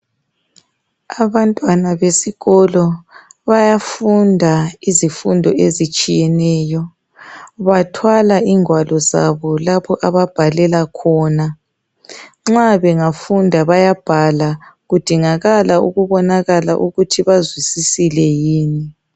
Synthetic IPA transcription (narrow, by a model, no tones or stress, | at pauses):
aβantʼwanaβesiɣɔlɔβajafundʱaizifundʱɔʔezit͡ʃʼijɛnɛːjɔ | βatʰwalaiŋwalɔza̰βɔlaβɔʔaβab̥ʱalɛlakʰɔːna | ŋ͡ǁaβɛŋafundʱaβajab̥ʱalaɣud̥ʱiŋaɣalaṵɣuβɔnaɣala̰ʔuɣutʰiβazwisisilɛjiːni